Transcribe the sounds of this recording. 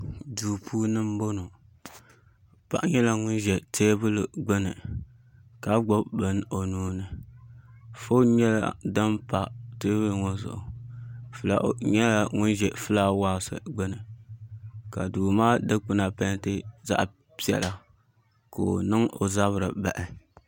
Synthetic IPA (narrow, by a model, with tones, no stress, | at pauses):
duː˨pʰuː˦nɨ˦m˦bo˦no˨ | pa̰˦ʔɲɛ˦la˦ŋʊ˦nʒɛ˨tʰeː˦bɨ˦lɨ˨ɡ͡bɨ˦nɨ˨ | ka˨ɡ͡bo˦bbɨ˦n˦o˨nuː˦nɨ˨ | fo˦ɲɛ˦la̰˦dɨ˦mpa˨teː˦βɨ˦lŋo˦zʊ̰˨ʔʊ̰˨fɨ˦la˦ɲɛ˦la˨ŋʊ˦nʒɛ˨fɨ˦la˦waː˦sɨ̰˨ɡ͡bɨ˦nɨ˨ | ka˨duː˨maː˦dɨ˦k͡pɨ˦na˨pɛ˦ntɨ˦za̰˦ʔ | pi˦ɛ̰˨la˨ | ko˨nɨ˦ŋo̰˨za˦βɨ˨ɾɨ˨ba˨ʔɪ˨